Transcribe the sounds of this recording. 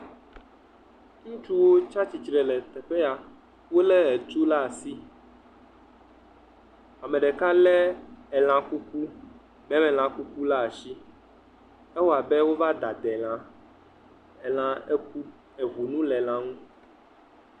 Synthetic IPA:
ŋũ˦t͡ʃu˦wo˦t͡ʃa˦t͡ɕi˨t͡ʃɾɛ˨lɛ˨t̪ɛ˨ɸɛ˦ja˨ | wo˦lɛ˦ɛ˨t̪u˦la˦a˨si˦ | a˨mɛ̃˨ɖɛ˨ka˦lɛ˦ɛ˨l̃ã˨ku˦ku˦ | mɛ̃˦mɛ̃˨l̃ã˨ku˦ku˦la˦a˨ʃi˦ | ɛ˦wɔ˦a˨bɛ˦wo˦va˦d̪a˨d̪ɛ˨l̃ã˦ | ɛ˨lã˨ɛ˦ku˦ | ɛ˨ɦu˨nũ˦lɛ˨lã˦ŋũ˦

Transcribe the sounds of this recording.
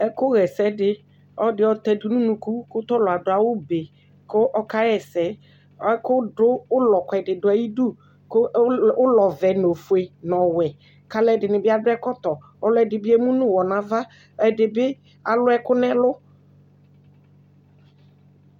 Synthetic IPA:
ɛ˦kʊ˦ɣɛ˨sɛ˦dɪ˦ | ɔ˦dɪ˨˦ɔ˦t̪ɛ˦du˦nũ˦nũ˨ku˦kʊ˦t̪ɔ˦lʊ˨a˨dʊ˨a˨wʊ˦be˨ | kʊ˦ʔɔ˦ka˦ɾɛ˨sɛ˦ | kʊ˦dʊ˦ʊ˦lɔ˨kɛ˨dɪ˨dʊ˨˦a˨ji˦du˦ | kʊ˦ʊ˦lɔ˨vɛ˨no˨fʊ˨e˨nɔ˨wɛ˨ | ka˦lɛ˦dɪ˨nɪ̃˨bɪ˦a˦dʊ˦ɛ˦kɔ˦t̪ɔ˨ | ɔ˦lʊ˦ɛ˨dɪ˨bɪ˦e˦mũ˦nʊ̃˦wɔ˨nã˨va˦ | ɛ˨dɪ˨bɪ˦ | a˨lʊ˦ɛ˦kʊ˦nɛ˦lʊ˦

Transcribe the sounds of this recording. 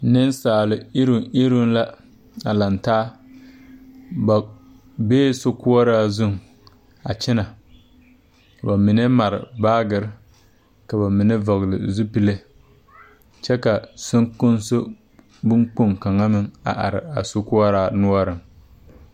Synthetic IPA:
nɨ˦n˦saː˨lɨ˨ɪ˦ɾʊ˨ɪ˦ɾʊ˦n˦la˦ | a˨la˨ntaː˦ | ba˨ | beː˦so˦kʊ˦ɔ˦ɾaː˦zʊ˦ŋ˨ | a̰˨t͡ʃɪ˦na˨ | ka˨ba˨mɪ˨ne˦ma˨ɾɪ̰˨baː˦ɡɨ˨ɾ | ka˨ba˨mɪ˨ne˦vɔ˨ɣlɨ̰˨zu˦pi˦le˦ | t͡ʃɛ˦ka˨sʊ˦ŋkʊ˦nso˦ | bʊ˦ŋk͡pʊ˦ŋka˨ŋa˦mɨ˦ŋa̰˨ʔa̰˨ɾɪ̰˨a̰˨so˦ku˦ɔ˦ɾaː˦nu˦ɔ˦ɾɨ˨ŋ

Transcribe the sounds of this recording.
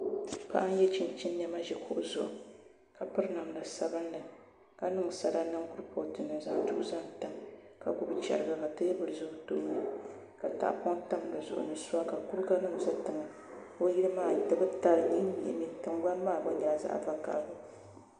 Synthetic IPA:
pa̰˦ʔa˦n˦jɛ˦t͡ʃi˨nt͡ʃi˦n˦ɲɛ˦ma˦ʒɛ˨kʰʊ˦ʔzʊ̰˨ʔʊ̰˨ | ka˨pɨ˦ɾna˨mla˨sa˦bɨ˦n˦lɨ˨ | ka˨nɨ˦ŋ˨sa˨ɾa˦nɨ˦ŋkʊ˦ɾpo˨tɨ˨nːɨ˨za˨ŋ˦tʊ˦ʔʊ˦za˦n˨tɨ˦mka˨ɡʊ˦bt͡ʃɛ̰˨ɾɨ˨ɡa˨ka˨tɨ˦jbɨ˨ɾɨ˨zʊ˦ɡto˦ʔɲɨ˦ | ka˨ta̰˦ʔpɔ˦ŋta˦m˨lɨ˨zʊ̰˨ʔʊ̰˨nɨ˨sʊ˦a˦ka˨ku˦ɾka˦nɨ˦ŋ˨za˦tɨ˨ŋa˨ | ko˦ji˦ɾɨ˦maː˦˨tɨ˦bɨ˦ta˦lɨ˨ɲi˦ŋ˦ɲḭ˨ʔmi˦tɨ˦ŋ˦ɡa˦n˦maː˦˨bɨ˦ɲaː˨za̰˦ʔva˦ka̰˦bʊ˦

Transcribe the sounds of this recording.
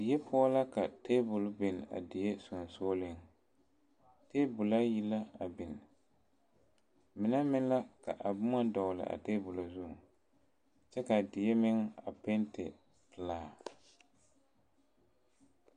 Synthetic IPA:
dɪ˨jɛ˦pʰʊ˦a˦la˦ka˨te˦bʊ˨lbe˨n˨a̰˨dɪ˨je˦sʊ˨n˨soː˦lɪ˦ŋ | te˦bʊ˨la˦ji˦la˦a˨bɪ˨n˨ | mɪ˨na˦mɪ˦n˦la˦ka̰˨ʔa˨bʊ˦ma˦dɔ˨lɪ̰˨ʔa̰˨teː˦bʊ˨la˨zʊ˦˨ | t͡ʃɛ˦ka˨dɪ˨je˦mɪ˦ŋa̰˨pe˦ntɪ̰˨ | pɨ˨laː˦˨

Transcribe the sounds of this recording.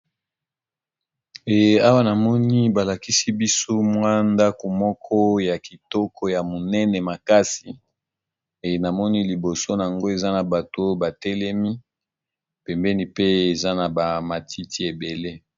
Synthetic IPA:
e˨a˦wa˦na˨mɔ˦ni˦ba˨la˨ki˦si˦bi˦so˦mwa˦nda˦ko˨mɔ˦kʰɔ˦ja˨ki˨tɔ˦kʰɔ˦ja˨mo˨nɛ˦nɛ˨ma˨ka˦si˨ | e˨na˨mɔ˦ni˦li˨bo˨so˦na˨ŋɡo˦e˨za˦na˨ba˨to˦ba˨tɛ˦lɛ˦mi˦ | pɛ˨mbɛ˦ni˦pe˦e˨za˦na˨ba˨ma˨tʰi˦ti˦e˨be˨le˦

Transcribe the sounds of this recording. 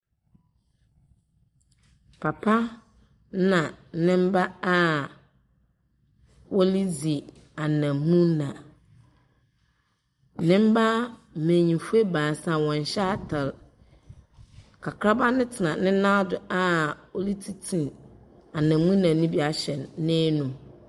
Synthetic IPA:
pʰa˨pʰa˦ | nã˨˦nɪ̃˦m˦ba˦a˦ | wɔ˦li˦d͡zi˨ | a˨nã˨mũ˦nã˨˦ | nɪ̃˦m̩˦ba˦˨mẽ˨ɲĩ˨fu˦e˦bãː˨sã˨wɔ̃˨n˨ɕɛ˦a˦tʰa˨l | kʰa˨kʰɾa˦ba˦nʊ̃˦tʰɪ˨nã˨nɪ̃˦nã˦dʊ˨a˦˨o˦li˦tʰi˦tʰĩ˨n | a˨nã˨˦mũ˦nã˨˦nĩ˦bi˦a˨ɕɛ˨nːɪ̃˦nũ˨

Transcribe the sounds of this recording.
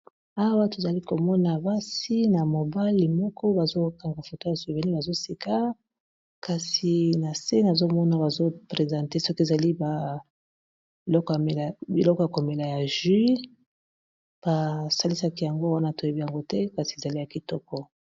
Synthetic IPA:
a˦wa˦to˨za˨li˦ko˨mɔ˦na˨ba˦si˦na˨mo˨ba˦li˨mɔ˦kʰɔ˦ba˨zo˦ka˨ŋɡa˨fo˨to˦ja˨si˨ve˨ni˦ba˨zo˦si˨ka˦ | ka˨si˨na˨se˦na˨zo˦mɔ˦na˦ba˨zo˦pʁe˨zã˨te˦sɔ˦ki˦e˨za˨li˦ba˨ | i˨lɔ˦kɔ˦ja˨me˨la˨bi˨lɔ˦kɔ˨ja˨ko˨me˨la˨ja˨ʒi˦ | b̥a˨sa˦li˦sa˦ki˦ja˨ŋɡo˦wa˦na˦to˨je˨bi˦ja˨ŋɡo˦tɛ˦ka˨si˨e˨za˨li˦ja˨ki˨tɔ˦kɔ˦

